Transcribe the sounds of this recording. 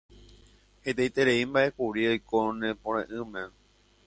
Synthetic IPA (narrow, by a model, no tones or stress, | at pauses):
het̪ejt̪eɾeimbaʔe̞kuɾiojkonẽpõɾ̃ẽʔɨ̃mẽ